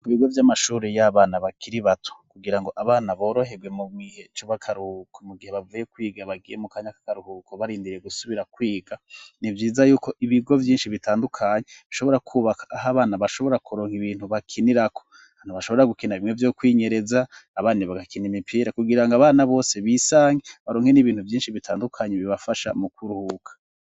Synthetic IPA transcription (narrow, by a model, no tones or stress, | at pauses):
ɡβiɡo̞vjamaʃuːɾejaβaːnaβakʰiɾiβatʰu̥kuɡiɾaŋɡo̞ʔaβaːnaβo̞ːɾo̞ɦe̞ɡwe̞muɡwihe̞t͡ʃoβakʰaɾuhukʰomuɡihe̞βavuje̞kwiːɡaβaɡijemukaːɲakḁkaɾuhukʰoβaɾiːndiɾje̞ɡusuβiɾakwiːɡanivjiːzajuːko̞ʔiβiɡo̞vjiːnʃiβitʰaːndukʰaːɲeβiʃo̞βo̞ɾakʰuːβakʰḁːɦaβaːnaβaʃo̞βo̞ɾakuɾo̞ːŋhiβiːn̥huβakʰiniɾakʰo̥ | aːn̥uβaʃo̞βoɾaɡukinaβimŋwe̞vjo̞ːkwiːɲe̞ɾe̞zaːβaːniβaɡakinimipʰiːɾakuɡiɾaŋɡaβaːnaβo̞ːse̞βiːsaːŋɡeβaɾoːŋhe̞niβiːn̥uvjiːnʃiβitʰaːndukʰaɲeβiβafaʃa̰mukuɾuhukʰḁ